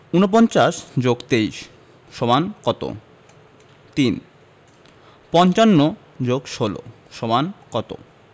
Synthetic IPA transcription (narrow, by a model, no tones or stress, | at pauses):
unop̬ɔnt͡ɕaʃd͡ʑoɡt̪eiʃ | ʃɔbankɔt̪o̰ | t̪in | pɔnt͡ɕanːo | d͡ʑoɡʃolo̰ | ʃobankɔt̪o̰